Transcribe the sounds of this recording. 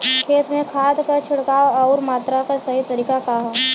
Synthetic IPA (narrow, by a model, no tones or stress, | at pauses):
kʰeːt̪mẽkʰaːd̪kat͡ʃʰʊɽkaːoɔːɾmaːt̪ɾakasɐɦit̪ɐɾiːkakaɦa